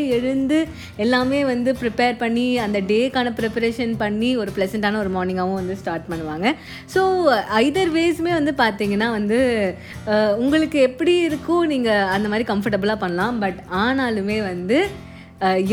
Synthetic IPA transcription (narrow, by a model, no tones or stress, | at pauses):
ɛɻɯnd̪ɯ | ɛlːaːmeːʋɐnd̪ɯpɾɪpeːɾpɐɳːiɐnd̪ɐɖeːkːaːnɐpɪɾɪpɐɾeːʂɐnpɐɳːiɔɾɯpɭɐsɐɳʈaːnɐɔɾɯmoːɾnɪ̃ŋɡaːʋɯ̃ʋɐnd̪ɯsʈaːɾʈ̚pɐɳːɯʋaːŋɡɐ | soːɐɪðɐɾʋeːsmeːʋɐnd̪ɯpaːɾt̪iːŋɡɐnːaːʋɐnd̪ɯ | ʊŋɡɐɭɯkːɯɛpːɐɽiɪɾɯkːʊ̃niːŋɡɐɐnd̪ɐmaːd̪ɾikɐmfɐɾʈɐbɯlaːpɐɳːɐlãːbɐʈaːnaːlɯmeːʋɐnd̪ɯ